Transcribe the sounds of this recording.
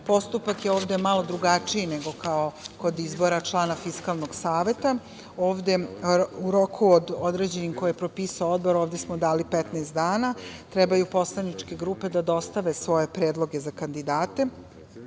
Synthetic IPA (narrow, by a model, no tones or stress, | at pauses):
po̞st̪upakjeoːʋd̪e̞malo̞d̪ɾuɡat͡ʂijineɡo̞kaoko̞d̪izbo̞ɾat͡ʃlˠaːnafiskaːlˠnoɡ̥saːʋe̞t̪a | oːʋd̪e̞uɾo̞kʰuod̪od̪ɾe̞ːd͡ʑe̞nimkojepɾopiːsaood̪bo̞ɾoːʋd̪esmod̪aːlipɛt̪neːst̪d̪aːnat̪ɾɛbajupo̞slˠanit͡ʂke̞ɡɾuːpe̞d̪ad̪o̞st̪aʋe̞sʋo̞je̞pɾeːd̪lˠo̞ɡezakand̪id̪aːt̪e̞